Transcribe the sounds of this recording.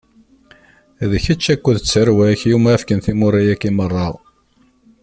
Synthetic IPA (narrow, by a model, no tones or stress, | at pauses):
ðəçæt͡ʃːækʷːəðt͡sːəɾwæçjumæːfkənθimʊɾajækːimərˤːɑʁ